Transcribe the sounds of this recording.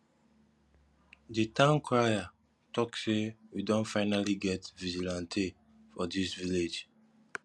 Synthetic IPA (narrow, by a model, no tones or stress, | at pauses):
ditãʊnkʰɹaja | tɔksewidõntfaɪnaliɡɛtvid͡ʒilãntʰe | fɔdisviled͡ʒ